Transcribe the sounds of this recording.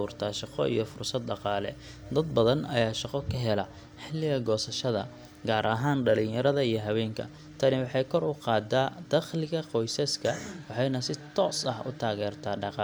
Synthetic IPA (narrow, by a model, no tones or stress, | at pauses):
ʊːrt̪ʰaːʃɑqɔ̰ʔḭjɞfʊrsɐd̪̚ɖɑqɑːlɛ̰ | d̪ɐd̪̚bɐðɐnɐ̰jaːʃɑqɔkʰɐɦɛlɐ | ħɪlːɪɣɐɡɔːsɐʃɐðɐ̰ | ɡaːɾʔɐɦaːnɖɐlɪ̃jɐɾɐðɐijɞɦɐβɛːŋkʰɐ̰ | t̪ʰɐnɪwɑħɑjkʰɔrʊqɑːd̪aːd̪̥ɐχlɪɣɐqɔjsɐskʰɐwɑħɑjnɐsɪt̪ʰɔːsɐhʊ̰t̪ʰaːɣɛːrt̪ʰaːɖɑqɑ